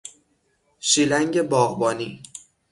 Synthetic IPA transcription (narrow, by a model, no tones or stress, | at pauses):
ʃiːlæŋɟe̞bɒːɣbɒːniː